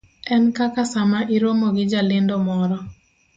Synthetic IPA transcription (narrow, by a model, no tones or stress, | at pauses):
ɛnkakasamaʔiɾwomoɡɪd͡ʒalɪndomɔɾɔ